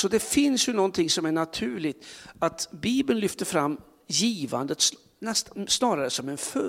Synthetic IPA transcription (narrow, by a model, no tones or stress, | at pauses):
sɔd̪ɛfɪnsjɵnɔnt̪ʰɪŋːsɔmæɳat̪ʰʉ̟ːɭɪɡt̪at̪biːbənlʏft̪əɾfɾamː | jiːva̰nd̪ət̪s | ɛst̪snɑːɾaɾəsɔmɛnfœ